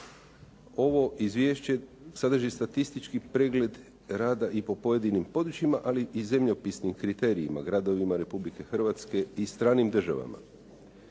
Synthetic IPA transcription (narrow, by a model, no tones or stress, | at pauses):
o̞ʋo̞ʔizʋjeʃt͡ɕe | sad̪ɾʒist̪at̪ist̪it͡ʃkipɾeɡle̞d̪ | ɾaːd̪aʔipo̞po̞je̞d̪inimpo̞d̪ɾut͡ɕimaʔaliize̞mʎopisnimkɾit̪eːɾiima̰ɡɾad̪o̞ʋimaɾe̞publike̞xr̩ʋat̪ske̞ist̪ɾaːnimd̪r̩ʒaʋa̰ma̰